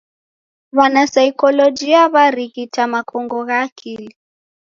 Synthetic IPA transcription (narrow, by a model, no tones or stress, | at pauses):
βanasaikɔlɔd͡ʒiaβaɾiɣitʰamakʰɔŋɡɔɣaːkʰili